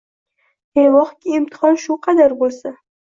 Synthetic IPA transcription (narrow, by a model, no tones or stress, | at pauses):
ejlɒχkʲiɪmt̪ʰɪ̥χɒnʃʊqʰɑd̪aɾbolˠsa